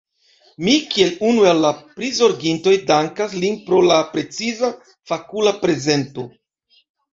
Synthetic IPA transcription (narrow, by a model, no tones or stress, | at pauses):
mikie̞lunuelːapɾizo̞ɾɡinto̞jdaŋkaslinpɾo̞lapɾe̞t͡siza | fakulapɾe̞ze̞nto̞